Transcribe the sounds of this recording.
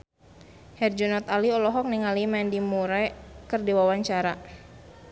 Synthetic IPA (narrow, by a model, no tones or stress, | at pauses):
hɛrd͡ʒɔnɔt̪aliɔlɔɦɔk̚niŋalimɛndimuɾakɨrdiwawaɲt͡ʃaɾa